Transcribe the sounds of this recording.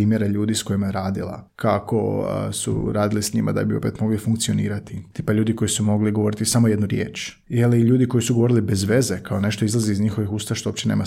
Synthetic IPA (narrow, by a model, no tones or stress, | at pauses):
iːmjeɾeʎuːd̪isko̞jimajeɾaːd̪ilˠa̰kʰako̰sṵɾaːd̪ilisɲimʔa̰d̪a̰bio̞̰pe̞t̪mo̞ɡlifuŋk̚t̪sio̞nḭːɾat̪it̪i̥ːpaʎuːd̪iko̞jisumo̞ɡliɡo̞ʋo̞ɾit̪isamo̞jed̪nuɾjḛːt͡ʃ | jeliiʎuːd̪iko̞jisuɡoo̞ɾilibe̞zʋe̞zekaone̞ʃt̪o̞izlˠaziːzɲixo̞ʋixuːst̪aaʃt̪oopt͡ɕe̞neːma